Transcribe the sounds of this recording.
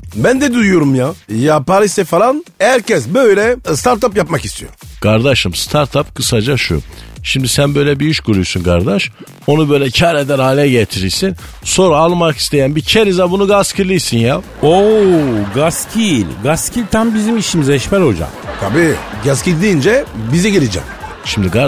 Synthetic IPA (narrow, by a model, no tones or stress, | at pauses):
bænd̪ɛd̪ujoɾumjajapaɾist̪ɛfalˠanhæɾcɛsbøjlʲɛst̪ʰaɾt̪apjapmakist̪ʰijo̰ɾkʰaɾd̪aʃɯmst̪ʰaɾt̪ʰapkʰɯsad͡ʒaʃṵʃimd̪isænbø̞jlʲɛbiyʃkuɾujsunkʰaɾd̪aʃ | o̞nubø̞jlʲɛcʰaɾed̪ænhaːlʲɛɟet̪ʰiɾiɾsin | so̞ɾaalˠmaki̥st̪ʰe̞jænbicʰeɾizabunuɡascʰilʲˠijsinja | oɡascʰilʲɡascʰilʲt̪ʰambizimiʃimizɛʃmɛɾo̞d͡ʒa̰mt̪ʰabiːɡascilʲd̪iːnd͡ʒɛbizɛɟiɾid͡ʒɛ̰m | ʃimd̪iɡa